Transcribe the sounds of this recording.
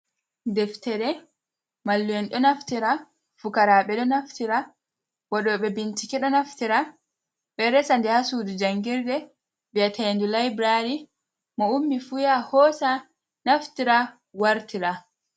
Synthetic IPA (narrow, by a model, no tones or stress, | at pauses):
dɛftɛɾɛ | malːuwɛnɗɔnaftiɾa | fukaɾaɓɛɗɔnaftiɾa | wɔɗɔɓɛbintikɛɗɔnaftiɾa | ɓɛɾɛsandɛhasudud͡ʒaŋɡiɾdɛ | bijatʰandulajbɾaɾi | mɔumːifujahɔːsa | naftiɾa | waɾtiɾa